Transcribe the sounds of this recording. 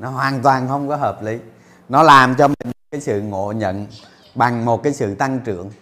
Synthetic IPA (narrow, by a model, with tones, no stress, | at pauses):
nɔ˨˦ɦwaː˨˩nt̪waː˨˩nxə˧wŋ͡mkɔ˨˦ɦəː˨˩p̚li˨˦ | nɔ˨˦laː˨˩mt͡ɕɔ˧mï̟˨˩m˨˩t̚kaː˨˦jsɨ̰˧˨ŋo̰˧˨ɲə̰˧˨n | ɓa˨˩ŋmo˨˩t̚kaː˨˦jsɨ̰˧˨t̪a˧ŋt͡ɕɨ̰˧˩˨əŋ